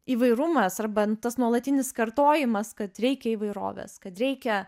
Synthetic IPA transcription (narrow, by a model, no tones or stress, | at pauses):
iːʋɐɪɾʊmɐsɐrbɐnt̪ɐsnuɔlˠɐt̪ʲɪnʲɪskɐrt̪oːjɪmɐskɐt̪ɾʲɛɪkʲɛiːʋɐɪɾo̰ːʋʲḛːskɐt̪ɾʲɛɪkʲɛ